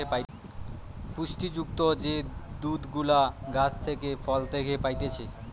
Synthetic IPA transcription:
epa | puʃʈid͡ʑuk̚t̪od͡ʑed̪ud̪ɡulaɡat͡ɕʰt̪ʰekefɔlt̪ekʰepajt̪et͡ɕʰe

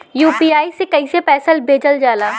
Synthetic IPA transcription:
juːpiːaːisekɐisepɛːsəlbʱeːd͡ʒəld͡ʒaːlaː

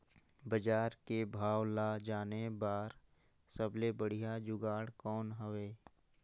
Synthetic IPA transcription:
bəd͡ʒaːɾkebʱaːʋlaːd͡ʒaːnebaːɾ | səblebəɽ̤ijad͡ʒʊɡaːɽkɔːnɦəʋeː

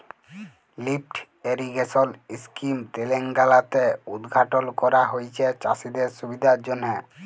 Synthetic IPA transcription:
lipʈ | eɾiɡeʃoliskimt̪eleŋɡalat̪eud̪ɡʱaʈolkɔɾaɦojt͡ɕʰet͡ɕa̰sid̪eɾʃubid̪ʱaɾd͡ʑonːe

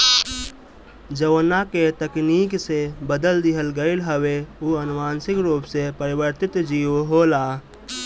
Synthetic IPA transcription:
d͡ʒəʋnaket̪əkniːksebəd̪əld̪ɪɦəlɡəɪlɦəweuənʊmaːnsɪkɾuːpsepəɾɪwəɾt̪ɪt̪d͡ʒiːwɦoːlaː

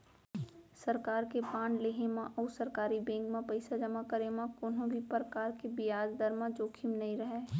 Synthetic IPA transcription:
sɐɾkaːɾkepaːnleːɦemãʔɔːsɐɾkaːɾibẽːŋɡmãpəɪsad͡ʒɐmakəɾemãkoːnɦõbʱipɾəkaːɾkebɪjaːd͡ʒd̪əɾmãd͡ʒoːkʰɪmnɐɦĩɾɐɦeː

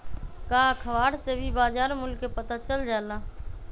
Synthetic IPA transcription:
kaːkʰəʋaːɽsebʱibaːd͡ʒaːɾmʊlkːepət̪at͡ʃəld͡ʒaːlnaː

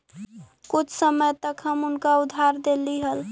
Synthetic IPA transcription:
kut͡ʃʰsəməjt̪əkɦəmunkaud̪ʱːaɾd̪eliɦəl

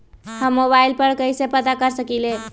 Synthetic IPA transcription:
həmːobailpəɾkəjsepəd̪akəɾsəkile

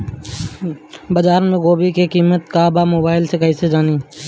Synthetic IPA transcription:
bəd͡ʒaːɾmẽɡoːbikekiːmət̪kaːbamoːbaːɪlsekɐised͡ʒaːniː

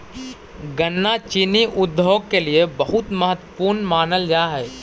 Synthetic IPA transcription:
ɡənːat͡ʃiniʔʊd̪ʱːoːɡkeliebəɦʊt̪məɦət̪wəpuːɾnmaːnəld͡ʒaːɦɛː

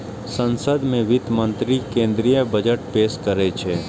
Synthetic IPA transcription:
sə̃nsəd̪mẽʋɪt̪mə̃nt̪ɾikẽːnd̪ɾijəbɐd͡ʒəʈpeːskɐɾet͡ʃʰeː

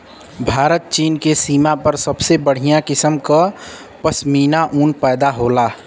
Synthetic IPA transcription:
bʱaːɾət̪̚t͡ʃiːnkesiːmapəɾsəbsebəɽ̤ijãkɪsəmka | pəsmiːnaʔuːnpɛːd̪aɦoːla

